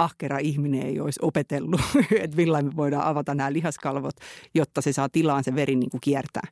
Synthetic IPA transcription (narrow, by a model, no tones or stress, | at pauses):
ɑhkerɑihmineḛioisopet̪elːuet̪milːɑimeʋoidɑ̰ːʔɑʋɑt̪ɑnæːlihɑskɑlʋot̪jot̪ːɑsesɑːt̪ilːˑɑːnseʋeɾinḭːŋkukiært̪æ̰ː